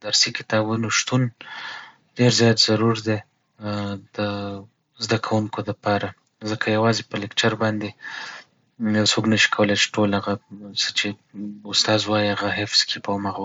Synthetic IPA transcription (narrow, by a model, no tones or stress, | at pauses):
d̪aɾsikɪ̥t̪ɑbunoʃt̪un | ɖeɾzjɑt̪z̥aɾuɾd̪e | d̪ə | zd̪akʰawuŋkod̪əpɑɾa | zəkʰajawɑzepəlɪkt͡ʃaɾbɑnd̪e | jawsoknəʃi̥kʰawəlejt͡ʃe̥ʈolaɣasə̥t͡ʃeʊst̪ɑzwɑjiaɣaɦɪfz̥kʰipəmaɣ